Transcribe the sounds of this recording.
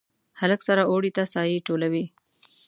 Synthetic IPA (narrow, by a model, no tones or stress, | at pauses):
haləksaɾaoɽit̪asɑjiʈolawi